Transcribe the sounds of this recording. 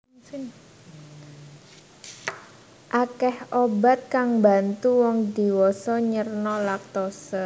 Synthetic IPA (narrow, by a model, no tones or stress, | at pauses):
ʔakɛhoba̤t̪̚kaŋba̤nt̪uwɔŋd̪i̤wɔsɔɲərnɔlak̚t̪ɔsə